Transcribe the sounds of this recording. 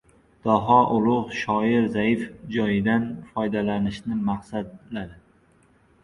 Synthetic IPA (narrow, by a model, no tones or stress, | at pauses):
d̪̥ɒɦɒʔʊlˠʊʁʃɒɪɾzaɪfd͡ʒɒjɪd̪anfɒjd̪alanɪʃnɪmaqsad̪̚lad̪ɪ